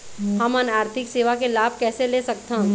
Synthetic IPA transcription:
ɦɐmənaːɾt̪ʰɪkseːʋakelaːbʱkɛːselesɐk̚t̪ã

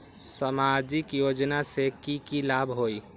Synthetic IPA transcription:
səmad͡ʒikjod͡ʒnasekikilabʱɦoi

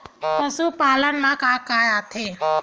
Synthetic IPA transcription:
pɐ̃suːpaːlənnãkaːkajaːt̪ʰeː

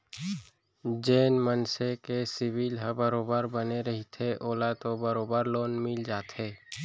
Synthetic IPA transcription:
d͡ʒeːnmənsekesɪwilɦəbəɾoːbəɾbəneɾəɦit̪ʰeʔoːlat̪obəɾoːbəɾloːnmɪld͡ʒaːt̪ɦeː

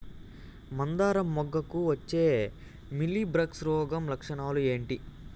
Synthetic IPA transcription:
mɐnd̪aːɾɐmːɔɡːɐkuʋɐt͡ʃːe̞ː | milːibɾɐksɾɔːɡɐmlɐkʂɐɳaːlue̞ːɳʈi

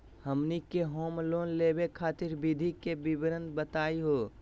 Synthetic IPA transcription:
həmnikːeɦoːmloːnleːbekʰaːt̪ɪɾbɪd̪ʱikebɪbɾənt̪bət̪aːiɦoː

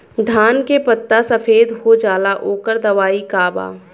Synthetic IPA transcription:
d̪ʱaːnkepət̪ːasɐfʰeːd̪ɦod͡ʒaːlaʔoːkəɾd̪ɐʋaːikaːba̰ː

